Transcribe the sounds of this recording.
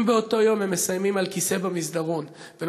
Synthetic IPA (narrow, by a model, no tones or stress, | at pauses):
mbeo̞to̞jo̞mhemːesajmimalkise̞bamizdaʁo̞n | ven